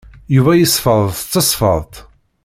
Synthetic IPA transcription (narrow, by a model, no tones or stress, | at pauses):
juvæjəsˤfəðˤθət͡sːɑsˤfə̰ðˤt̪ˤ